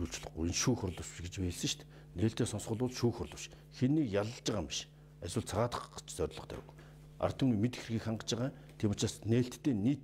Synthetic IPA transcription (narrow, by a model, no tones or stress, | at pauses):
uɬt͡ɕ̆ɮə̆χɡṵjĭnʃuːxʊrɮʊ̆wʃɡet͡ɕpiːeɮsɘ̆ʃt̪ | neːɬt̪eːsɔnsʁʊ̆ɮʊːɮʃuːxʊrɮə̆wʃ | xenːikjaɮə̆ɮt͡ɕə̆ʁaːmpi̥ʃ | æsʲʊ̆ːɮt͡sʰaʁaːt̪ə̥̆χʰt͡ɕt͡sœːɾʲtɮɞ̆χt̪ʰæ̰ːæ̰ɣu̥j | a̰rt̪ə̆ŋujmet̪xrxiːkχaɴɢə̆t͡ɕə̆ʁaː | t̪ʰiːmʊt͡ɕaːsneːɬt̪ʰːeːniːt̪